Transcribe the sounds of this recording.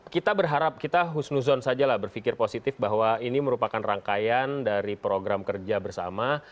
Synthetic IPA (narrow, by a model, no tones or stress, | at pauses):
kit̪abərɦaɾap̚kit̪aɦusnuzɔnsad͡ʒalahbərfikɪrposit̪ɪfbaɦwainiməɾupakanraŋkajandaɾipɾoɡɾamkərd͡ʒabərsa̰ma